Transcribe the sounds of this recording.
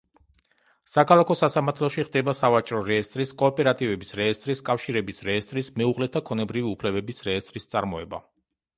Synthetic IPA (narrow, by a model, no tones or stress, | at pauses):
sakʰalˠakʰɔsasamaɾt̪ʰlˠɔʃiʁd̪ɛbasavat͡ʃʼɾɔɾɛɛst̪ʼɾiskʼɔːpʼɛɾat̪ʼivɛbisɾɛːst̪ʼɾiskʼafʃiɾɛbisɾɛːst̪ʼɾismɛuʁlɛt̪ʰakʰɔnɛbɾiviupʰlɛbɛbisɾɛːst̪ʼɾist̪sʼaɾmɔɛba